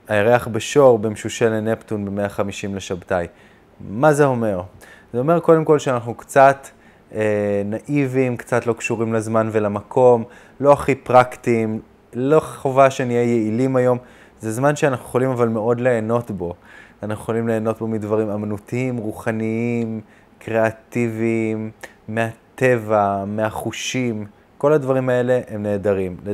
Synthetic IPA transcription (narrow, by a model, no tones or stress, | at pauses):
aeʁeaχbeʃo̞ʁbemʃuʃeleneptunbe̞me̞aχamiʃimleʃabtaj | mazeo̞me̞ʁ | zeo̞me̞ʁko̞de̞mko̞lʃeanaχnukt͡sat | enaʔivimkt͡satlo̞kʃuʁimlazmanvelamakʰo̞m | lo̞aχipʁaktim | lo̞χovaʃenijejeilimajo̞m | zezmanʃeanaχnujeχolimavalmeo̞dle̞ːno̞tbo̞anaχnueχolimle̞ːno̞t̚bo̞midvaʁimamanutiimʁuχaniim | kʁe̞at̪ivimː | eat̪e̞vameaχuʃim | ko̞ladvaʁimae̞le̞ʔemne̞ːdaʁimle